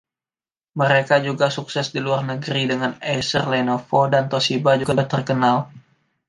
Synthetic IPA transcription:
məɾekad͡ʒuɡasuksɛsdiluarnəɡəɾidəŋanɛsərlɛnofodant̪osibad͡ʒuɡat̪ərkənal

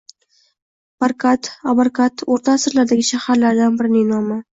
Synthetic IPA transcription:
b̥aɾkʰat̪ʰabaɾkʰat̪ʰoɾt̪ʰaːsɪɾlaɾd̪aɡʲɪʃahaɾlaɾd̪anbɪɾɪnɪŋnɒma

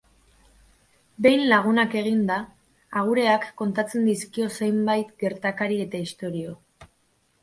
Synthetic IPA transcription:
be̞jnlaɣ̞unake̞ɣind̪aː | ɣ̞uɾe̞akːo̞nt̪at͡se̞nd̪iskio̞se̞jmbajt̪ɡe̞ɾt̪akaɾie̞t̪aist̪o̞ɾio̞

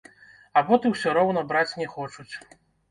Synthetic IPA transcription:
abɔt̪ɨwsʲɔɾɔwnɐbɾat͡sʲnʲɛxɔt͡ʂut͡sʲ

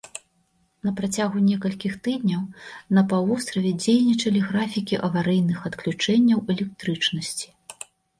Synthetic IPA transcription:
nɐpɾat͡sʲaɣunʲɛkɐlʲkʲixt̪ɨd̪ʲnʲɐwnɐpavɔst̪ɾɐvʲɛd͡zʲejnʲit͡ʂɐlʲiɣɾafʲikʲiʔɐvaɾɛjnɨxɐt̪klʲut͡ʂɛnʲːɐwɛlʲɛk̚t̪ɾɨt͡ʂnɐsʲt͡sʲi̥

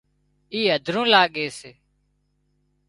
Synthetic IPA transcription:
iːɦəd̪ʱɾũːlaːɠeːseː

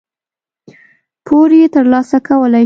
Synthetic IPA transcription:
pʰoɾjet̪əɾlɑsakʰawəla

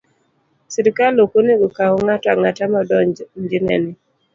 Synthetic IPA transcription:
siɾikalokoneɡɔkawɔŋataŋatamɔdɔnd͡ʒinɛ̰nɪ

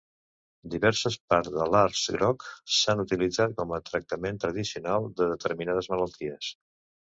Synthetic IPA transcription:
d̪iβɛɾsəspaɾðəlaɾsɡɾɔksanut̪ilid͡zat̪̚kɔmət̪ɾək̚t̪əment̪ɾəðisiunalˠd̪əðət̪əɾminað̞əzmələlˠt̪iəs

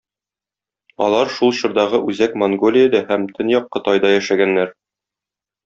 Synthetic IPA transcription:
ɒ̰lˠɑɾʃulˠɕŏɾd̪ɑʁɤʔʉzækmoŋɡolʲɪjəd̪æhæmt̪ʰɘnjɒqːɤ̆t̪ɑjd̪ɑjæʃæɡænːæɾ

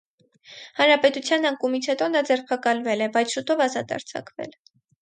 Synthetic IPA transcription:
hɑnɾɑpɛt̪ut͡sʰjɑnɑŋkumit͡sʰhɛt̪ɔnɑd͡zɛɾpʰɑkɑlvɛlɛbɑjt͡sʰʃut̪ɔvɑzɑt̪ɑ̰ɾt͡sʰɑ̰kvɛ̰l

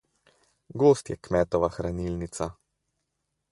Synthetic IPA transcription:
ɡoːst̪jɛkmɛːt̪ɔʋaxɾaniːlnit̪sa

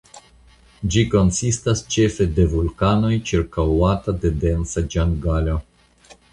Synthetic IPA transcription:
d͡ʒiko̞nsistast͡ʃe̞fe̞de̞vulkano̞jt͡ʃiɾkawatade̞de̞nsad͡ʒaŋɡalo

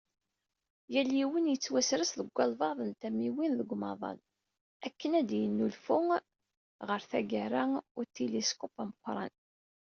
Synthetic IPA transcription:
jæljiwənjət͡sːwæsɾəsðəɡʷːɑlvɑðˤənt̪æmiwinðəɡʷmɑðˤɑ̰l | ækːənæd̪jənːulfʊ | ʁəɾθæɡæɾæʊɾt̪iliskopaməqʷːɾˤɑ̰n

